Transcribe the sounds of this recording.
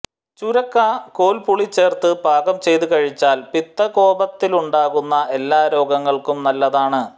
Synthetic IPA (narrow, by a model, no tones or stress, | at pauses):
t͡ɕuɾɐkːakoːlpuɭit͡ɕːe̞ːrt̪ɨbʱaːɡɐmt͡ɕe̞jt̪ukɐɻit͡ɕːaːlpit̪ːɐko̞ːbɐt̪ːiluɳɖaːɣunːɐʔe̞lːaːɾo̞ːɡɐŋːɐɭkumnɐlːɐðaːɳɨ